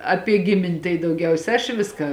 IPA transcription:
ˈɑːpʲiɛ ˈɡʲɪmʲɪnʲ tɐɪ dɐʊˈɡʲɛʊsʲɛ ɐʃ ˈʋʲɪskɐ

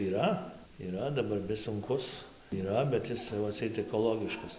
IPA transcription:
iːˈrɐ iːˈrɐ dɐˈbɐr ʋʲɪs sʊŋˈkʊs iːˈrɐ bʲɛt ˈɪs tɐɪ ʋɐ ɐtʲˈsʲɛɪt ɛkoːˈlˠoːɡʲɪʃkɐs

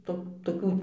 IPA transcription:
ˈtoː toːˈkʲuː

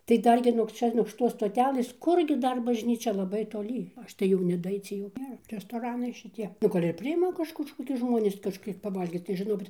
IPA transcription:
tɐɪ ˈdɐr ɡʲɪ nuɔk ˈt͡ʃʲɛ nuɔk ʃʲɪˈtoːs stoːˈtʲæːlˠɘs ˈkʊr ɡʲɪ ˈdɐr bɐʒʲˈnʲiːt͡ʃʲɛ lˠɐˈbɐɪ toːˈlʲiː ˈɐʃ tɐɪ jɛʊ nʲɛdɐˈɐɪt͡sʲiɛ jɛʊ ˈnʲeːrɐ rʲɛstoːˈrɑːnɐɪ ʃʲɪˈtʲiɛ nʊ ˈɡɐlʲ ɪr pʲrʲɪˈɪmɐ ˈkɐʃ kɐʃkoːˈkʲʊs ˈʒmoːnʲɪs kɐʃʲˈkʲiɛk pɐˈʋɐlʲɡʲiːt tɐɪ ʒʲɪˈnoːkʲɪt

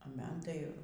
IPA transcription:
ɐ ˈmɐn ˈtɐɪ

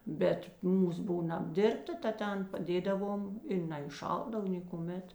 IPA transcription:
ˈbʲɛt ˈmuːs ˈbuːnɐ ɐbʲˈdʲɪrptɐ tɐ ˈtʲɛn pɐˈdʲeːdɐʋoːm ɪ nɐɪˈʃɐlˠdɐw ˈnʲeːkʊˌmʲɛt

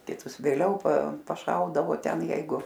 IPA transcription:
kʲɪˈtʊs ʋʲeːˈlʲɛʊ pɐ pɐˈʃɐʊdɐʋoː ˈtʲɛn ˈjɛɪɡʊ

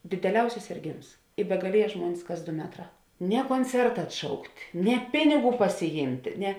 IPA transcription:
dʲeːdʲɛˈlʲɛʊsʲɪs sʲeːrʲˈɡʲeːms ɪ bʲɛɡɐˈlʲiɛjɛ ˈʒmuɔnʲɪs kɐs ˈdoː ˈmʲæːtˌrɑː nʲɛ koːnʲˈt͡sʲɛrtɐ ɐtˈʃɐʊktʲ nʲɛ ˈpʲɪnʲɪˌɡuː pɐsʲɪˈjiːmʲtʲ nʲɛ

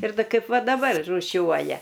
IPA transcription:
ɪr ˈdɐ ˈkɐɪp ˈʋɐ dɐˈbɐr ruːˈʃʲuɔjɛ

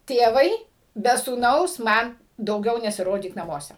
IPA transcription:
ˈtʲeːʋɐɪ bʲɛ suːˈnɐʊs ˈmɐn dɐʊˈɡʲɛʊ nʲɛsʲɪˈroːdʲiːk nɐˈmuɔsʲɛ

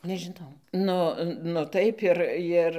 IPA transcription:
nʲɛʒʲɪˈnɐʊ ˈnʊ nʊ ˈtɐɪp ɪr ˈɪr

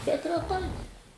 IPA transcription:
bʲɛt rʲɛˈtɐɪ

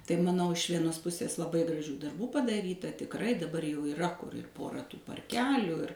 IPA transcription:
tɐɪ mɐˈnɐʊ ɪʃ ˈʋʲiɛnoːs ˈpʊsʲeːs lˠɐˈbɐɪ ɡrɐˈʒʲuː dɐrˈbuː pɐdɐˈrʲiːtɐ tʲɪkˈrɐɪ dɐˈbɐr jɛʊ ɪˈrɐ kʊr ɪr ˈpoːrɐ tuː pɐrʲˈkʲæːlʲuː ɪr

